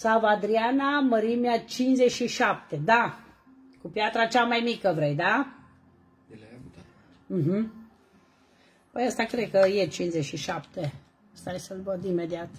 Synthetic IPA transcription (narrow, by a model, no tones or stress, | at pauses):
savad̪ɾianaməɾimeat͡ʃinzet͡ʃʃiʃap̚t̪e̞d̪a | kupjat̪ɾat͡ʃamajmikəvɾejd̪a | m̩ɦm̩ | pəjəst̪akɾed̪̚kəjet͡ʃinzet͡ʃʃiʃapt̪e | əst̪ajsəlbəd̪ime̞d̪iat̪